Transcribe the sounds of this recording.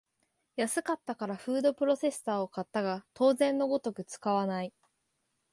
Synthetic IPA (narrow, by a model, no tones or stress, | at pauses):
jasɨkat̪ːakaɾaɸɯ̟ːd̪o̞pɯ̟ɾo̞se̞sɨ̥t̪aːo̞kat̪ːaɡat̪o̞ːzẽ̞nːo̞ɡo̞t̪o̞kɯ̟t͡sɨ̥kaβanai